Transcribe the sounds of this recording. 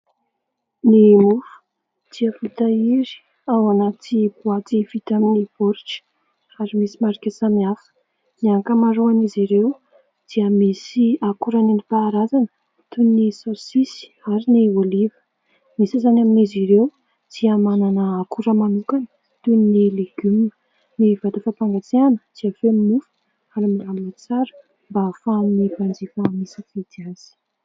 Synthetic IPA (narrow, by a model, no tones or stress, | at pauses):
nimufə̥ | d̪̥iəfit̪aiɾi̥ | awanat̪ibuat̪ivit̪aminipoɾiʈ͡ʂə̥ | aɾimisimaɾikʲesamiafə̥ | niaŋkəmaɾuaniziɾew | d̪̥iəmisiakuɾaninipaːɾazanə | t̪unisosisi̥aɾiniolivə̥ | misizanaminiziɾew | d̪̥iamananəːkuɾəmanukanə | t̪unnileɡymnə̥ | nivad̪afapaŋɡat͡seanə̥d̪̥iafeminufə̥ | alamamnit͡saɾə̥ | mbaːfaminivand͡zifamisifet̪iaz̥i̥